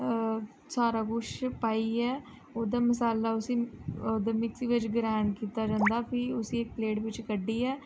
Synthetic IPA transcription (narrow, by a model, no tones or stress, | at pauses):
saːɾaːɡʊʃpaːiːɛː | oːd̪aːməsaːlːaːʊsiːoːd̪aːmɪksiːʋɪt͡ʃɡɾaːɳkiːt̪aːd͡ʒãːnd̪aːpʰɪʊsiːekpleːʈʋɪt͡ʃkəɖːiːɛː